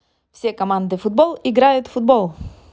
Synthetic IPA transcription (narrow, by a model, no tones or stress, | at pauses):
fsʲɛkomand̪əfud̪̚bɔlˠiɡɾajət̪fud̪̚bɔlˠ